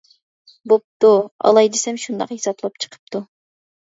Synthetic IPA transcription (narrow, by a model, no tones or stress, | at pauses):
bop̚t̪uɑ̰lˠɑjd̪ɪsɛmʃund̪ɑ̰qjesɑplˠɑp̚t͡ʃʰə̥qʰə̥p̚t̪ʰu